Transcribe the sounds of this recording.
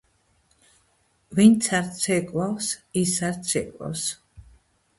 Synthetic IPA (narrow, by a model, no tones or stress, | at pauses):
vint̪sʰaɾsʰɛkʼwawsisaɾt̪sʰɛ̰kʼwa̰ws